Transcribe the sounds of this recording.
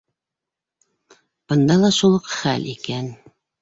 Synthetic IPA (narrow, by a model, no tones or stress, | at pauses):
b̥ɤ̆nd̪ɑlˠɑʃulˠɤqχælʔikæn